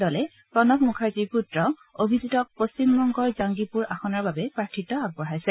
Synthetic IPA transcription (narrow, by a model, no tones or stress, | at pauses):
dɔlɛ | pɔnɔkmukʰaɹtiɹputɹɔ | obʱiditɔpost͡ʃimbɔŋɡɔɹzaŋɡipuɹʔaxɔnaɹbabɛpɹaɹtʰːitːɔaɡ̚bɔɹajsɛ